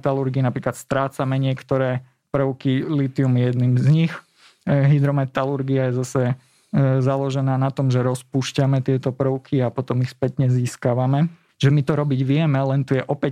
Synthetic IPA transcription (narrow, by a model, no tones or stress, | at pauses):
t̪aluɾɡiːnapɾiːklat̪st̪ɾaːt͡samɛɲɪɛkt̪ɔɾɛː | pɾʊkilit̪iumijɛd̪nimzɲix | ɦid̪ɾɔmɛt̪aluɾɡiajɛzasɛ | zalɔʒɛnaːnat̪ɔmʒɛɾɔspuːʃcamɛt̪ɪɛt̪ɔpɾ̩ʊkʰiapɔt̪ɔmixspɛt̪ɲɛziːskaʋamɛ | ʒɛmit̪ɔɾɔbiɟʋɪɛmɛlɛnt̪ujɛʔɔpɛ